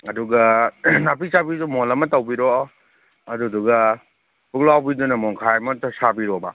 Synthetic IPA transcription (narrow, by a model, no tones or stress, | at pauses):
ɐduɡɐnapisabidumɔlɐmɐtɐwbiɾɔ | ɐduduɡɐ | buk̚lawbidunɐmɔŋkʰajmɐtsabiɾɔba̰